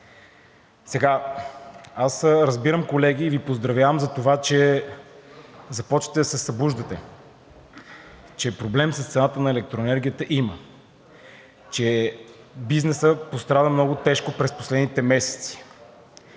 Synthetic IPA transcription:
sɛɡa | asɾəzbiɾəmkolɛɡ̟iːvipozd̪ɾɐvjavəmzɐt̪ovat͡ʃɛ | zɐpɔt͡ʃvət̪ɛd̪ɐsɛsɐbuʒd̪ət̪ɛ̰ | t͡ʃɛpɾoblɛmsəst̪sɛnat̪ənɐɛlɛk̚t̪ɾoɛnɛɾɡʲijət̪əʔimə | t͡ʃɛ | biznɛsəpost̪ɾad̪əmnɔɡot̪ɛʃkopɾɛspo̥slɛd̪nit̪ɛmɛsɛ̥t̪si̥

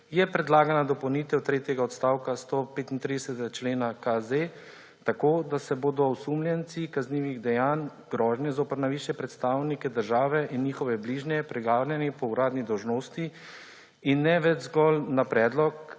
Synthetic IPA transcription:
jɛpɾɛd̪laːɡanad̪ɔpɔwniːt̪ɛwt̪ɾeːt̪jɛɡaɔt̪st̪aːwkast̪opeːt̪int̪ɾid̪ɛsɛt̪ɛɡat͡ʃleːnakaze | t̪akoːd̪asɛboːd̪ɔwsumljɛnt̪sikazniːʋiɣd̪ɛjaːnɡɾɔːʒnjɛzoːpəɾnajʋiːʃjɛpɾɛt̪st̪aːwnikɛd̪əɾʒaːʋɛʔinɲiːxɔʋɛbliːʒnɛpɾɛɡaːlʲjɛnipɔuɾaːd̪nid̪ɔwʒnoːst̪i | inːɛʋɛd͡ʒzɡɔlnapɾɛːd̪lɔk

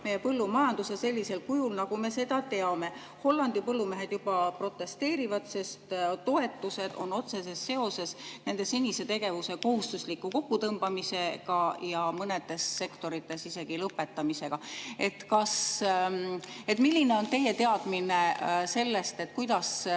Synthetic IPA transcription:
me̞jːepɤlːumɑjɑnd̪̥usese̞lʲːise̞lkujulnɑɡ̥ume̞se̞d̪̥ɑt̪e̞ɑme̞ | ho̞lːɑnd̪ipɤlːumeɦe̞d̪̥jub̥ɑpro̞t̪ːˑe̞st̪e̞ːɾivɑd̪̥se̞st̪t̪o̞e̞t̪ːˑuse̞d̪̥o̞̰nːo̞t̪se̞se̞sːe̞o̞se̞sne̞nd̪̥e̞senʲise̞t̪e̞ɡ̥e̞vuse̞ko̞ɦust̪uslikːˑuko̞kːut̪ɤmb̥ɑmise̞ɡ̥ɑjɑmɤne̞d̪̥e̞sːe̞kt̪o̞ɾit̪ːˑe̞sise̞ɡ̥ilɤpːe̞t̪ːˑɑmise̞ɡ̥ɑe̞t̪ːkɑs | e̞t̪ːˑmilʲːine̞o̞nt̪e̞jːe̞t̪e̞ɑd̪̥minese̞lːe̞st̪e̞t̪ːˑkujd̪̥ɑs

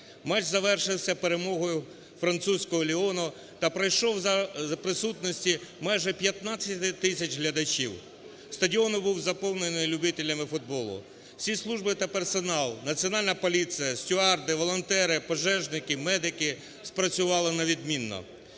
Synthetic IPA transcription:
mɑt͡ʃzɐʋɛrʃɪwsʲɐpeɾemɔɦɔjʊ | fɾɐnt̪susʲkɔɦɔlʲiɔnʊ | t̪ɐpɾɐjʃɔwzɐɐpɾɪsut̪nɔsʲtʲimɑjʒɛpʲjɐt̪nɑt͡sʲːɐt̪ɪt̪ɪsʲɐt͡ʃɦlʲɐd̪ɐt͡ʃiw | st̪ɐdʲiɔnʊbuwzɐpɔwnenɪjlʲʊbɪt̪ɪlʲɐmɪfʊd̪̚bɔlˠʊ̰ | sʲislˠuʒbɪt̪ɐpersɔnɑlˠnɐt͡sʲiɔnɑlʲnɐpɔlʲit͡s̪ʲijɐsʲtʲʊɑrd̪ɪʋɔlˠɔnt̪ɛɾɪpɔʒɛʒnɪkɪmɛd̪ɪkɪ | spɾɐt͡sʲʊʋɑlˠɪnɐʋʲid̪mʲinːɔ̰

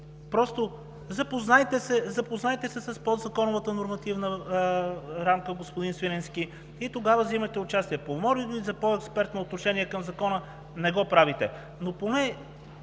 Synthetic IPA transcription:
pɾɔst̪o | zɐpoznajt̪ɛsɛzɐpoznajɛt̪ɛsɛsɐspɔd̪zɐkɔnʊvət̪ənoɾmɐt̪ivnə | ɾamkəɡospod̪insviɾɛnski | it̪oɡavəvzimɐt̪ɛʊt͡ʃast̪iɛpomɔɾiɡ̪oizɐpoɛkspɛɾt̪noːt̪noʃɛniɛkɐmzɐkɔnə | nɛɡɔpɾavit̪ɛ | noponɛ

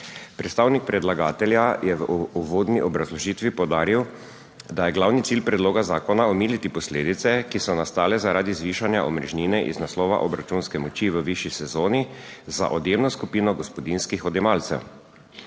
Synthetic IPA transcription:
pɾɛt̪st̪aːwnik̚pɾɛd̪laɡaːt̪ɛljajɛʋuʋoːd̪niʔɔbɾazlɔʒiːt̪ʋipɔwd̪aːɾiw | d̪ajɛɡlawnit̪iːlpɾɛd̪loːɡazaːkɔnaɔmiːlit̪ipɔsleːd̪it̪sɛkisɔnast̪aːlɛzaɾaːd̪izʋiːʃanjaʔɔmɾɛʒniːnɛʔḭznaslɔːʋa̰ʔɔbɾat͡ʃunskɛmɔt͡ʃiʋəʋiʃisɛzoːniza̰ʔɔd̪jeːmnɔskupiːnɔɡɔspɔd̪inskixɔd̪ɛmaːlt̪sɛ̰w

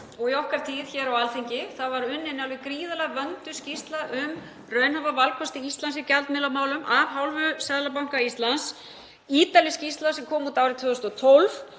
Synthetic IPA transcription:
ɔɣiɔhkaɾ̥t̪ʰiːðçɛɾawalθeɲcɪθavaɾʏnːɪnalvɪkɾiːðalaɣvœnt̪ʏscist̪laʔʏm | rœːɥnhavavalkʰɔst̪ɪist̪lansɪcalt̪mɪlamaːwlʏmʔavɦawlvʏsaðlap̬awŋ̥kaist̪lans | iːt̪aljɪscist̪lasɛmkʰɔːmut̪aːwɾɪt̪ʰʏːʏst̪ɔt̪ʰolv

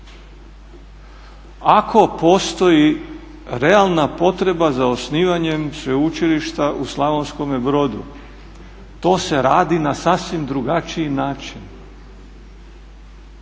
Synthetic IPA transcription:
akʰo̞po̞ːst̪o̞ji | ɾe̞alˠnapo̞t̪ɾe̞bazaosniːʋaɲe̞msʋeut͡ʃiliʃt̪aʔuslˠaʋonsko̞mebɾo̞d̪ṵ | t̪o̞ːse̞ɾaːd̪inasasʋimd̪ɾuɡat͡ʃiinaːt͡ʃin

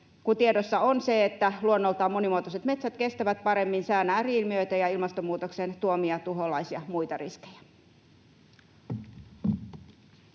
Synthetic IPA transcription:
kut̪iedosːɑonse̞et̪ːæluonːo̞lt̪ɑːmːo̞nimuot̪oset̪me̞t̪sæt̪ke̞st̪æʋæt̪̚pɑɾe̞mːinsæːnæːriːlmiøjt̪æjɑilmɑst̪omuːt̪oksent̪uomiɑt̪uɦolɑisiɑmujt̪ɑriskejæ̥

